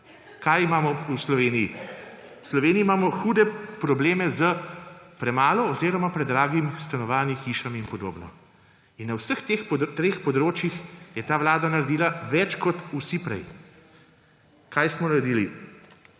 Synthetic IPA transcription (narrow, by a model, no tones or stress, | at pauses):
kajimaːmɔuslɔʋeːniji | wslɔʋeːniiːmaːmɔxuːd̪ɛpɾɔbleːmɛzəpɾɛmaːlɔːzeːɾɔmapɾɛd̪ːɾaːɡimst̪anɔʋaːnixiːʃaminpɔd̪o̰ːbnɔ̰ | inːawsəxt̪eːxpt̪ɾeːxpɔd̪ɾoːt͡ʃjixjɛt̪aːʋlaːd̪anaɾɛd̪iːlaʋɛt͡ʃkɔt̪usipɾɛ̰j | kajsmɔnaɾɛd̪iːli